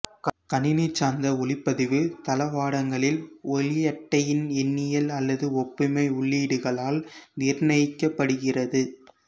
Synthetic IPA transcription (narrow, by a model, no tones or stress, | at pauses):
kkɐnɪnɪt͡ʃːaːnd̪ɐʊɭɪpːɐðɪʋɯt̪ɐlɐʋaːɽɐŋɡɐɭɪlɔlɪjɐʈːɐjɪnɛnːɪjɐlɐlːɐðɯɔpːɪmɐɪʊɭːiːɽɯɣɐɭaːlnɪːɾnɐɪkːɐpːɐɽɯɣɪrɐðɯ